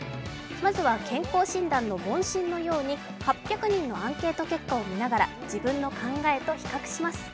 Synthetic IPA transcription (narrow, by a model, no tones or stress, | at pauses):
mazɨβakʰẽ̞ŋko̞ːɕĩnd̪ãnːo̞bõ̞ɰ̃ɕĩnːo̞jo̞ːɲ̟i | hapʲjakɯ̟ɲ̟ĩnːo̞ãŋke̞ːt̪o̞ke̞kːao̞mʲinaɡaɾa | d͡ʑibɯ̟̃nːo̞kʰãŋɡae̞t̪o̞çi̥kakɯ̥ɕimasɨ̥